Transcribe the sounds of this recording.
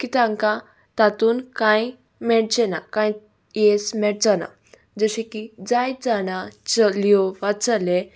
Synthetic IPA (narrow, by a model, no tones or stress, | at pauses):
kit̪ãŋkã | t̪at̪uːnkãj | mɛɭt͡ɕɛnakãj | jɛsmɛɽt͡sana̰ | d͡zəɕekid͡zajd͡zaɽ̃ãt͡səljɔʋat͡sale